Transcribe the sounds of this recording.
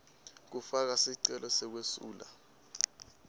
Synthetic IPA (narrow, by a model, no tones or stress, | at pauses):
k̬ufak̬asiǀɛlʔɔsɛk̬wesṵːla̰